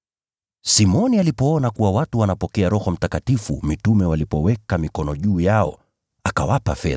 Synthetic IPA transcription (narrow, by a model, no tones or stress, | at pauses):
simɔnialipɔɔnakuwawatuwanapɔkɛaɾɔhɔm̩takatifṵmitumɛwalipɔwɛkamikɔnɔʄuːjaɔ̰ | akawapa̰fɛ̰